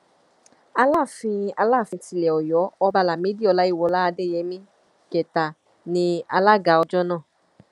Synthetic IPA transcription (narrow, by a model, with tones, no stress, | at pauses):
a˧la˦˨fĩ˧a˧la˦˨fĩ˧ti˧lɛ˨ɔ˨jɔ˨˦ɔ˧ba˧la˨me˨˦di˦˨ɔ˨˧la˦i˦˨wɔ˨˧˦la˦a˧de˦˨jɛ˨˦mĩ˦ | kɛ˨ta˨ | nĩ˧a̰˧la˦ɡa˧ɔ˧d͡ʒɔ˦nãː˦˨